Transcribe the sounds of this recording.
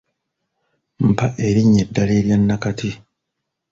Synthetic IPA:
m̩paʔeɾiɲːedːaleːɾjanːakati

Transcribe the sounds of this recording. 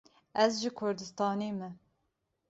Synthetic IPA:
ɛzʒɨkʰʊɾd̪ɨst̪ɑːneːmɛ

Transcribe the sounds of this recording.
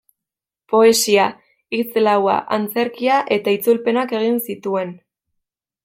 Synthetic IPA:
po̞e̞sia | it͡slawa̰ʔant͡se̞ɾkiaʔe̞t̪ait͡sulpe̞nake̞ɣ̞insit̪ue̞n

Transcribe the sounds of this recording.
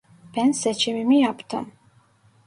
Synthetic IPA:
b̥ɛnsɛt͡ʃʰɛmimijapʰt̪ʰə̰m

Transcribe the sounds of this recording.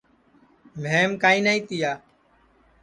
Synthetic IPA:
ʋʱeːmkaːĩːnaːĩːt̪ɪjaː

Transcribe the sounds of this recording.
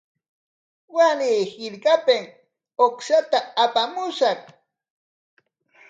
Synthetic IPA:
waniːhɪɾkapɪŋ | okʃat̪aːpamʊʃaχ

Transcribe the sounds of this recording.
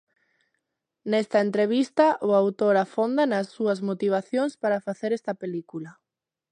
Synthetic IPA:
nest̪ɐent̪ɾeβ̞ist̪ɐʔʊawt̪oɾafond̪ɐnɐsːuɐzmot̪iβ̞aθjoŋspaɾɐfaθeɾɛst̪ɐpelikulɐ

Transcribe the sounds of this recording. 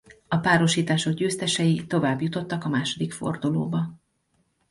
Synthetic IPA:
ɒpaːɾo̞ʃiːt̪aːʃo̞ɡɟøːst̪ɛʃɛjit̪o̞vaːbjut̪o̞t̪ːɒkɒmaːʃo̞d̪ikfo̞̰rd̪ulo̰ːbɒ

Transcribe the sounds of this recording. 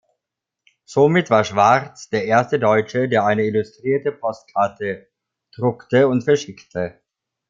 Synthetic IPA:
z̥omɪtv̥aːɐʃv̥aʁt͡sd̥eːɐʔeːɐstədɔʏt͡ʃədeːɐʔaɪnəɪlʊstʁ̥iːɐtəpʰɔst̚kʰaɐtʰə | d̥ʁʊktəʊntfɛɐʃɪktʰə

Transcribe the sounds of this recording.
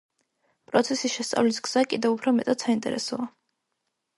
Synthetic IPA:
pʼɾɔt̪sʰɛsisʃɛst̪sʼa̰vlisɡz̥akʼid̪ɛupʰɾɔmɛt̪ʼad̪̥saint̪ʼɛ̰ɾɛsɔa

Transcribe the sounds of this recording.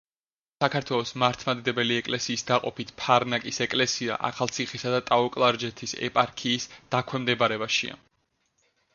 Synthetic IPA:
sakʰaɾt̪ʰwɛlˠɔsmaɾt̪ʰmad̪id̪ɛbɛliɛkʼlɛsiːsd̪aqʼɔpʰit̪ʰpʰaɾnakʼisɛkʼlɛsia̰ʔa̰χalˠt̪sʰiχisad̪at̪ʼaɔkʼlˠaɾd͡ʒɛt̪ʰisɛ̰pʼaɾkʰiːsd̪̥akʰwɛmd̪ɛbaɾɛbaʃḭa̰

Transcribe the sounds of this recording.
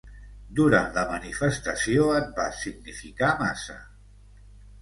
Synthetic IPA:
d̪uɾant̪ləmənifəst̪əsioət̪̚basiɡ̚nifikamasə̰

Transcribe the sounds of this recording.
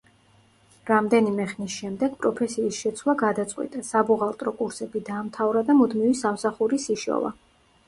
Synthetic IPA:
ɾamd̪ɛnimɛχnisʃɛmd̪ɛɡ̥pʼɾɔpʰɛsiːsʃɛt̪sʰwlˠaɡad̪at̪sʼqʼwḭt̪ʼasabuʁalˠt̪ʼɾɔkʼuɾsɛbid̪aːmt̪ʰavɾad̪amud̪mivisamsaχuɾisiʃɔ̰va̰

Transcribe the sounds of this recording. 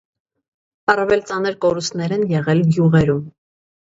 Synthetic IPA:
ɑrɑvɛlt͡sɑnəɾkɔɾust̪nɛɾɛnjɛʁɛlɡjuʁɛɾum

